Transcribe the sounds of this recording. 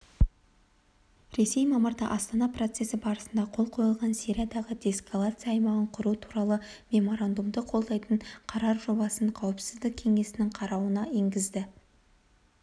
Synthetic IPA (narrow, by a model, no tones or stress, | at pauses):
ɾe̞se̞jmɑməɾd̪ɑ̰ʔɑst̪ɑnɑpro̞t̪se̞sɪbɑɾəsənd̪ɑqʰo̞lˠqʰo̞jəlˠʁɑnsiɾʲad̪ɑʁəd̪ʲeskalˠat̪sɨjaːjmɑʁəɴqʰʊɾut̪ʰu̥ɾɑlˠəmʲe̞mo̞ɾand̪umd̪əqʰo̞lˠd̪ɑjt̪əɴqʰɑɾɑɾʒo̞bɑsəɴqʰɑwəpsɪzd̪ɪk̚ʲʰe̞ŋe̞sɪnɪŋqʰɑɾɑwənɑeŋɡʲɪzd̪ɪ